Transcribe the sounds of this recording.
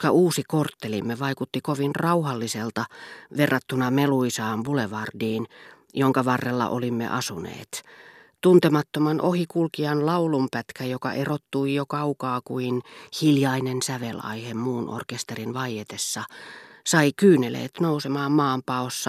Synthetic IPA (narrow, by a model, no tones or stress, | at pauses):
kɑuːsikort̪ːelimːeʋɑikut̪ːikoʋinrɑuhɑlːiselt̪ɑʋerːɑt̪ːunɑmeluisɑːnʋuleʋɑrdiːn | joŋkɑʋɑrːelːɑ̰ʔo̰limːḛʔɑsunḛːt̪ | t̪unt̪emɑt̪ːomɑnʔohikulkiɑnlɑulumpæt̪kæjokɑ̰ʔerot̪ːuijokɑukɑːkuinhiljɑinensæʋelɑ̰ihemmuːno̰rkest̪erinʋɑijet̪esːɑsɑikyːnelḛːt̪nousemɑːmmɑːmpɑosːɑ